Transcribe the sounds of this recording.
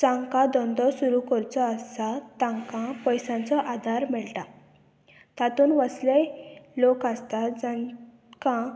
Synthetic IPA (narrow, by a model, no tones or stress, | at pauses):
t͡sãŋkad̪ɔ̃nd̪ɔsuɾukɔɾt͡sɔːsat̪ãŋkãpəjsãnt͡sɔʔad̪ʱaɾmɛɭʈa | t̪at̪uːnʋəslelokast̪ad͡za | kã